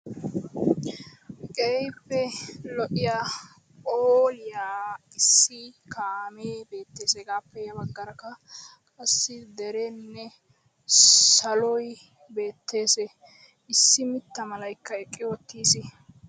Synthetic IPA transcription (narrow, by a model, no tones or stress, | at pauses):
kʼejpːɛlɔʔɪjaː | oːlɪjaː | ɪsːɪkaːmeːbe̞ːt̪ːeːsɛɡaːpːɛjɐbɐɡːɐɾɐkːɐkʼɐsːɪd̪ɛɾɛnːɛ | sɐlɔj | be̞ːt̪ːe̞ːsɛ | ɪsːɪmɪt̪ːɐmɐlɐjkːɐɛkʼːɪɔt̪ːiːsɪ